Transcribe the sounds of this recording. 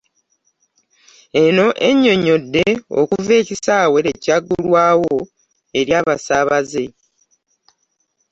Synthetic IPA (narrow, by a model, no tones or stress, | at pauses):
e̞no̞ʔeɲːo̞ɲo̞dːe̞o̰kuve̞ːcisaːwe̞ɾecaɡulwaːwo̞ | e̞ɾjaːβasaːβaze̞